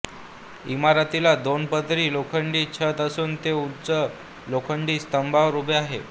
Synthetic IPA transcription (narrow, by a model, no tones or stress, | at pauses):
imaɾat̪ilad̪onpət̪ɾiːlokʰəɳɖiːt͡ɕʰət̪əsuːnt̪eut͡sə | lokʰəɳɖiːst̪əmbaʋɾubeaɦe